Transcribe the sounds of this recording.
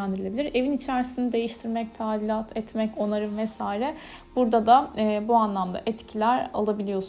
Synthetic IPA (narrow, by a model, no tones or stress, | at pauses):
ænd̪iɾilʲeilʲiɾe̞vinit͡ʃʰæɾsinid̪e̞jiʃt̪ʰiɾmɛc̚t̪ʰaːlʲilʲat̪ʰɛt̪mɛco̞naɾɯvɛsaːɾɛ | b̥uɾd̪ad̪abuanlˠamd̪a̰ʔɛt̪cʰilʲæɾa̰lˠabilʲijo̞s